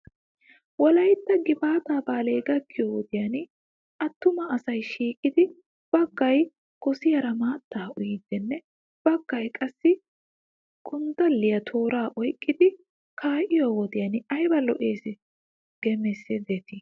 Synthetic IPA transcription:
wɔlɐjt̪ːɐɡɪbaːt̪aːbaːle̞ːɡɐkʰːɪjowɔd̪ɪjɐn | ʔɐt̪ːʊmɐːsɐjʃiːkʼɪd̪ɪ | b̥ɐɡ̥ːɐj | ɡ̥ɔsɪjɐɾɐmaːt̪ːaːʊjɪd̪ɛnːɛ | b̥ɐɡ̥ːɐjkʼɐsːɪ | ɡʼʊnd̪ɐlːɪjɐt̪ʰo̞ːɾaːʔɔjkʼːɪd̪ɪ | kʰaːʔɪjoːwɔd̪ɪjɐnɪɐjbɐlɔʔe̞ːsɪ | ɡ̥ɛmɛsːed̪eːt̪ɪ

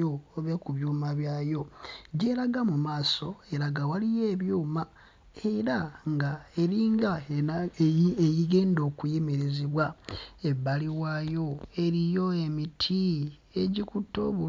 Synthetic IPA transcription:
ooβekuβjuːmaβjaːjo̞ɟe̞ɾaɡamumaːso̞eɾaɡawalije̞ːβjuːma | eɾaŋɡae̞ɾiːŋɡa | ejiɡe̞ːndo̞ːkujemeɾe̞ziβwaeβaliwaːjo̞e̞ɾijo̞e̞mitʰi | eɟikutːo̞̰ːβu

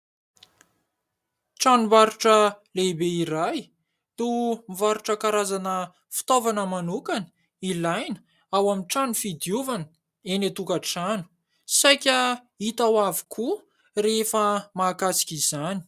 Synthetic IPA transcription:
ʈ͡ʂanumvaɾuʈ͡ʂəlebeiɾaj | t̪umivaɾuʈ͡ʂəkaɾazanə | fi̥t̪ovanəmanukanə | ilajn | awamiʈ͡ʂanufid̪juvanə | enat̪ukəʈ͡ʂanu̥ | sajkʲə | it̪awavi̥kʰu | refəmaːkasi̥kʲizani̥

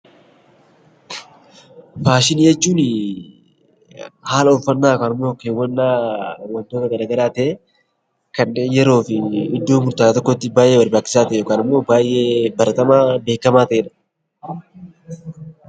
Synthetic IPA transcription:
faːʃɪniːjɛt͡ʃːuːnɪ | haːlɐɔlfɐnːaːkaːnɪmːoːkːeːwːɐnːaːwɐnd̪oːt̪ɐɡɐɾɐɡɐɾaːt̪ɛʔe | kɐnːeːnjɛɾo̞ːfɪɪd̪ːo̞ːmʊɾt̪aːt̪ɔkːot̪ːɪbaːjʔeːbɐɾbaːkːɪ̥saːt̪ɛjoːkaːnɪmːo̞ːbaːjʔe̞ːbɐɾɐt̪ɐmaːbeːkːɐmaːt̪ɛʔnɐ̥

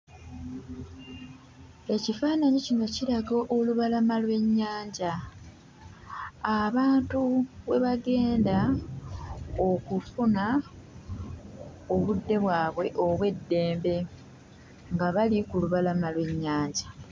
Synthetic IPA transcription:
e̞cifaːnaɲicino̞ciɾaɡo̞ʔoluβalamalwe̞ɲːaːɲɟa | βaːntuβe̞̰βaɡe̞ːnda | okufuna | oβudːe̞βwaːβwe̞ʔo̞βwe̞dːe̞ːmbe̞ | ŋɡaβalikuluβalamalwe̞ɲːaːɲɟa

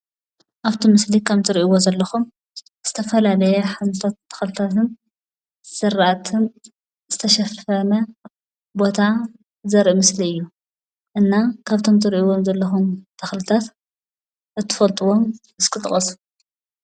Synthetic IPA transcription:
ʔaβt̪ʰimɨslikʰaβt̪ʰɨɾʔiwozɐlːɐxum | z̥ɨ̥t̪ʰɐfɐlalɐjɐħamt̪ʰat̪ʰːɐ̥xlɨt̪ʰat̪ɨn | sɨɾat̪ʰɨn | z̥ɨt̪ʰɐʃɐfɐnɐ | bo̞t̪ʰa | zɐɾʔimɨsliɨjːu | ʔɨnːakʰaβt̪ʰo̞mt̪ʰɨɾiʔiwo̞mzɐlːɐxumt̪ʰɐxlɨt̪ʰat̪ | ʔɨt̪ʰːɨ̥fɐlt̪ʼɨwo̞m | ɨskʰɨt̪ʼɨχʼɐs

